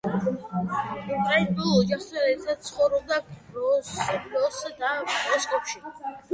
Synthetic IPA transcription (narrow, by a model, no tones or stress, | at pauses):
ɛnb̪ɔlɔd͡ʒaχsɛɾɛsʰat̪sʰχɔvɾɔb̚d̪akɾɔɾɔsd̪aɾɔskʼɔpʃi